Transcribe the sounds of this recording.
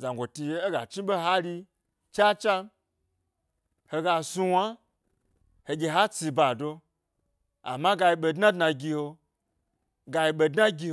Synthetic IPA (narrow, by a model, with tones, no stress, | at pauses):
za˨ŋɡʷo˨ti˧˦e˦ɡa˨t͡ʃi˦ɓe˦ɦa˦ɾi˧ | t͡ʃa˦t͡ʃa˦ | ho˧ɡa˧su˧wa˦ | he˨ɡʲe˧ɦa˦t͡si˧ba˨do˧ | a̰˨ma˦ɡa˧ji˧ɓe˧dna˦dna˧ɡʲi˧ho˧ | ɡa˧ji˧ɓe˧dna˦ɡʲi˧